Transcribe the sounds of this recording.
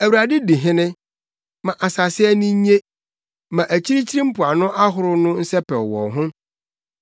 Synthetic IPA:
æ˨wu˨ɾa˨dɪ˦di˨ɦɪ̃˦nɪ̃˦ | mã˨ʔa˨sa˨sɪ˦ɛ˦nʊ̃˦ɲẽ˦ | mã˨ʔæ˨t͡ɕʰi˦ɾi˦t͡ɕʰi˦ɾĩ˦m̩˦pʊ˨a˨nʊ̃˦ʔa˦ɦʊ˨ɾʊ˦nʊ̃˦n̩˦sɛ˦pʰɛ˨ɔ˨wɔ̰˨ɦʊ̃˦

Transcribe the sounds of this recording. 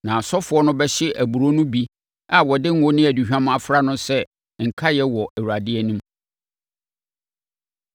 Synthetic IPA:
nã˨sɔ˦fʊ˨˦ɔ˦nʊ̃˦bɛ˦ɕɪ˦ʔæ˨bu˨ɾo˦nʊ̃˦bi˦ | a˦˨wɔ˨dɪ˦ŋ̩˦wʊ˦nɪ̃˦æ˨du˨ɕᶣã˦m˦a˨fɾa˦nʊ̃˦sɛ˦ | ŋ̩˨kʰa˦jɛ˦wɔ˨ʔæ˨wu˨ɾa˨dɪ˦ɛ˦nũ˦m

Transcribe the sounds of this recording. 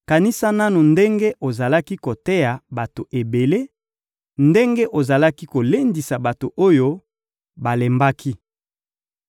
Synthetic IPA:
ka˨ni˦sa˦na˦nu˨nde˦ŋɡe˦ʔo˨za˨la˦ki˦ko˨te˦ja˨ba˨to˨ʔe˨be˨le˦ | nde˦ŋɡe˦ʔo˨za˨la˦ki˦ko˨le˦ndi˨sa˨ba˨to˨ʔo˦jo˦ | ba˨le˨mba˦kʰi˦

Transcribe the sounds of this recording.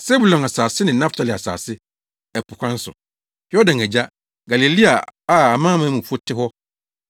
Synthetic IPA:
sɛ˦bu˨lɔ̃˨a˨saː˨sɪ˦nɪ̃˨nã˦ftʰa˨lɪ˨a˨sa̰ː˨sɪ˦ | ɛ˨pʰʊ˨kʰʷã˦n̩˦sʊ̰˨ | hjɔ˦dã˨ŋæ˨d͡ʑa˦ | ɡa˨le˨li˦a˨a˨a˨mãː˦mã˦mũ˨fu˦o˦tʰɪ˦ɦɔ˦

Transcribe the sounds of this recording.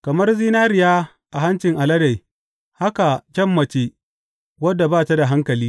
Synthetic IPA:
kɐ˨mɐ˦rziː˦naː˦ɾɪ˨jaː˦ | ʔa˨ɦa˦nt͡ʃɪ˨ŋʔa˨lɐ˦da˨j | ha˦ka˨kʲɐ˦mːɐ˨t͡ʃe˦ | wɐ˦dːa˨baː˦ta˦da˨ɦa˦ŋkɐ˨liː˦

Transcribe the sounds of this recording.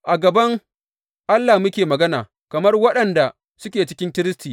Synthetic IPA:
ʔa˨ɡɐ˨bɐ˦ŋ | ʔa˦lːaː˨mʊ˦kʲeː˨mɐ˨ɡɐ˦naː˨ | kɐ˨mɐ˦rwɐ˦ɗɐ˨nda˨ | sʊ˦kʲeː˨t͡ʃɪ̥˦kʲɪ˦ntɪ˦ɾɪ˦stiː˨

